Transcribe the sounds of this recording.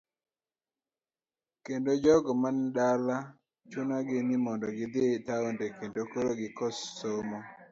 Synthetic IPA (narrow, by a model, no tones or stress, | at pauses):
kendod͡ʒɔɡɔmandala | t͡ʃunaɡɪnɪmɔndɔɡɪd̪ɪtaondekendokoɾoɡɪkɔsːomɔ